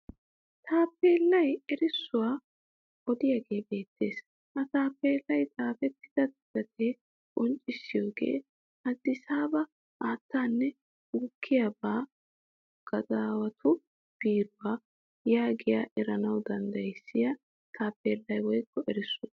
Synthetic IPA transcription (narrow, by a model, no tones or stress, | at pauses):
t̪ʰaːpːe̞ːlːɐjɛɾɪsːʊwaː | ʔɔd̪ɪjaːɡe̞ːbe̞ːt̪ːe̞ːs | ʔɐt̪aːpːeːlːɐjt̪aːfɛt̪ːɪ̥d̪̥ɐd̪ɪdɐt̪eː | kʼɔnt͡ʃʼːɪsːɪjoːɡe̞̰ː | ʔɐd̪ːɪsaːbɐ | ʔaːt̪ːaːnːɛ | ɡʊkʰːɪjabaː | ɡ̥ɐzaːwɐt̪ʰʊ | b̥iːɾʊwaː | jaːɡɪja̰ːʔɛɾɐnɐwd̪ɐnd̪ɐjɪsːɪjɐ | t̪ʰaːpːe̞ːlːɐjwɔjkːɔʔɛɾɪsːʊ